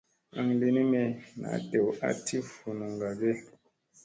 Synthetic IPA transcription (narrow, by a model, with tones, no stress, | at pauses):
ə˨ŋli˨ni˦me˨na̰˨˦te˨wa̰˦tʰi˦fu˨nu˨ŋɡa˨ɡe˦